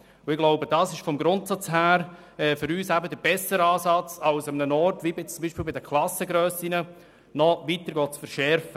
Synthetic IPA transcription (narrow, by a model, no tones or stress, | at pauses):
ʊɪɡ̥loʊbəd̥ɑːsɪʃfɔmɡɾʊntsɑt͡shæːɾ | ɛːfʏɾyːsæbəd̪əɾb̥ɛsəɾəɑːsɑt͡sɑʊsəmənənɔɾtʋibɪt͡sʊmbiːʃpiːlbɪd̪əkʰlɑsəɡɾøːsinə | nɔʋitəɾɡɔːtt͡sfəɾʃɛɾfə